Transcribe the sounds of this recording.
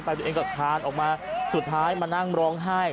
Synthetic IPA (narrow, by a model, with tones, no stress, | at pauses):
pa˧jt̪ːeː˧ŋkaː˨˩p̚kʰaː˧nʔɔː˨˩k̚maː˧su˨˩t̪̚ʰːaː˦˥jmaː˧na˥˩ŋɾɔː˦˥ŋɦa˥˩j